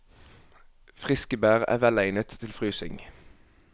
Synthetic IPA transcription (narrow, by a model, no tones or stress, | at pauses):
fʁɪskəbæːʁæ̰ːʋɛlæɪnət̪ʰːɪlfʁyːsɪ̰ŋ